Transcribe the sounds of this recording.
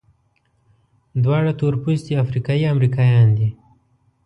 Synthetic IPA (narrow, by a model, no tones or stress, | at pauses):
d̪wɑɽat̪oɾpust̪iafɾikɑiamɾikɑjɑnd̪i